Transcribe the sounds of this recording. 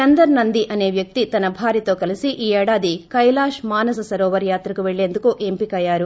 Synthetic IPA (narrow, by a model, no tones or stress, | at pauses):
t͡ʃɐnd̪ɐɾnɐnd̪iʔɐne̞ːʋjɐk̚t̪it̪ɐnɐbʱaːɾit̪o̞ːkɐlisiʔiːɛːɽaːd̪ikɐjlaːʃmaːnɐsɐsɐɾɔːʋɐɾjaːt̪ɾɐkuʋeɭːe̞ːnd̪ukuʔempikɐjaːɾu